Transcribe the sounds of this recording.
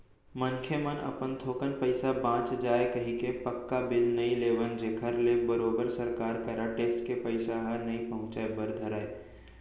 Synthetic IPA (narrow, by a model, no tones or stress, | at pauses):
mɐnkʰjəmənə̰pənt̪ʰoːkənpəɪsabãːt͡ʃd͡ʒaːekɐɦĩkepəkːabɪlnɐĩleːʋənd͡ʒekʰəɾlebəɾoːbəɾsəɾkaːɾkəɾaʈeːkskepəɪsaɦɐɾnɐĩpəɦʊ̃t͡ʃaebəɾd̪ʱəɾaːe